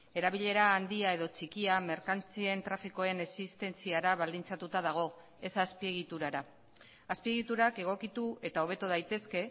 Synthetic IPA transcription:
e̞ɾaβiʎe̞ɾaːnd̪iae̞ð̞o̞t͡ʃikiameɾkant͡sie̞nt̪ɾafiko̞e̞ne̞sist̪e̞nt͡siaɾaβald̪int͡sat̪ut̪að̞aɣ̞o̞ | e̞saspie̞ɣ̞it̪uɾaɾa | aspie̞ɣit̪uɾake̞ɣ̞o̞kit̪ue̞t̪ao̞βe̞t̪uðajt̪e̞ske̞

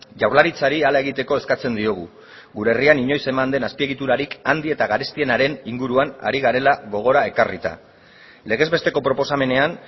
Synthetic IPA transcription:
ʝawɾlaɾit͡saɾialae̞ɣit̪e̞ko̞e̞skat͡se̞nd̪io̞ɣ̞u | ɣuɾeːrianiɲo̞jse̞mand̪e̞naspie̞ɣit̪uɾaɾikand̪ie̞t̪aɣaɾe̞st̪ie̞naɾe̞niŋɡuɾuana̰ɾiɣaɾe̞laɣo̞ɣ̞o̞ɾae̞karit̪a̰ | le̞ɣ̞e̞zβe̞st̪e̞ko̞pɾo̞po̞same̞ne̞an

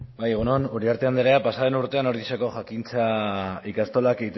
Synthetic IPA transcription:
bajeɣ̞unonuɾiaɾt̪e̞and̪eɾeapasaðenuɾt̪e̞ano̞ɾðiseko̞ʝakint͡saikast̪o̞lakeit̪

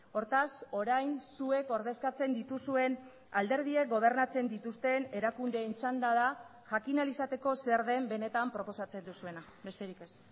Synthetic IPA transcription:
o̞ɾt̪aso̞ɾajnsue̞ko̞ɾðe̞skat͡se̞nd̪it̪usue̞n | ald̪e̞ɾð̞iek̚ɡo̞β̞e̞ɾnat͡se̞nd̪it̪ust̪e̞ne̞ɾakund̪e̞ːnt͡ʃand̪aðaʝakinalisat̪e̞ko̞seɾð̞e̞mbe̞ne̞t̪ampɾo̞po̞sat͡se̞nd̪usue̞na | be̞st̪e̞ɾike̞s

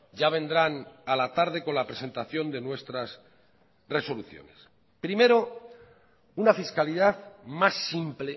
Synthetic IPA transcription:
ɟ͡ʝaβ̞e̞nd̪ɾanalat̪aɾðe̞ko̞nlapɾe̞se̞nt̪aθjo̞nd̪e̞nwe̞st̪ɾas | re̞so̞luθjo̞̰ne̞s | pɾime̞ɾo̞ | unafiskaliðaðmasːimple

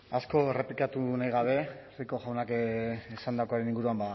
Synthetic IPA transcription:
asko̞ere̞plikat̪unajɣaβ̞e̞ | riko̞ʝawnakesand̪akoaɾe̞niŋɡuɾuamba

